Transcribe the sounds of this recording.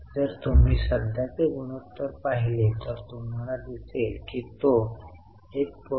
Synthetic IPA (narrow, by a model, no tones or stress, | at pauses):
d͡zəɾt̪um̤iːsəd̪ʱjat͡seɡuñot̪ːəɾpaɦilet̪əɾt̪um̤alad̪iselkiːt̪o | ek̚p